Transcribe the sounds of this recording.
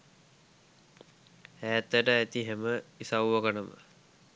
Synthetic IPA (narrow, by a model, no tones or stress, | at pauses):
hæːt̪ːəʈəæt̪iɦeməisawʋəkənəmə̰